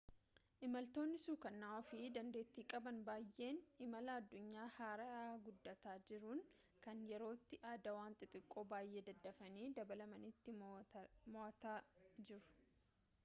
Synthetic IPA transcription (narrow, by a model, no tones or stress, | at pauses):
ʔɪmɐlt̪oːnːɪsuːkɐnːaːɔfiːd̪ɐnd̪e̞ːt̪ːiːkʼɐbɐnbaːjʔe̞ːnɪmɐlaɐd̪ːʊɲːaːhaːɾɐaːɡʊd̪ːɐt̪aːd͡ʒɪɾuːn | kɐnjɛɾo̞ːt̪ːɪʔaːd̪ɐwaːnt̪ʼɪt̪ʼɪkʼːo̞ːbaːjʔe̞ːd̪ɐd̪ːɐfɐniːd̪ɐbɐlɐmɐnɪt̪ːɪ | mɔʔɐt̪aːd͡ʒɪɾʊ̥